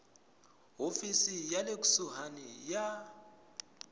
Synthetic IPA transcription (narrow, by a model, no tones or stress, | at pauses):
ɦofisijalek̬ʼu̥suɦanija